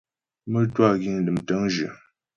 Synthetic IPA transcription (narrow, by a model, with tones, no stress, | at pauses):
mə˦twa˦˨ɡi˦˨ŋ˨lɨ˨mtə˦ŋʒə̰˨